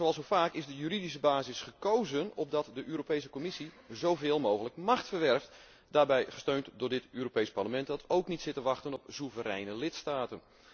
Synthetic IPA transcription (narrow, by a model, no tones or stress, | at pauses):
zowɑlˠsofaːkɪzdəjyridis̬əbaːzɪsχəkowzənɔb̚dɑtdəʔyːɾopejs̬əkomɪsi | zowvɪːlˠmowɣələkmɑχtfərʋɛrft | daːɹbɛjχə̥støɥntdʊɹdɪtyːɾopejspaɹləmɛntdɑtowknitsɪtəʋɑχtənɔpsuvəɾɛjnəlɪtstaːtən